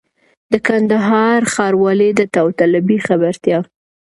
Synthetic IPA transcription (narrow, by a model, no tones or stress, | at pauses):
d̪əkand̪aɦɑɾxɑɾwɑled̪ət̪awt̪alabixabaɾt̪jɑ